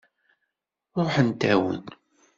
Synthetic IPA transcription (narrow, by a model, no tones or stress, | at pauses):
ɾˤoħənt̪æwə̰n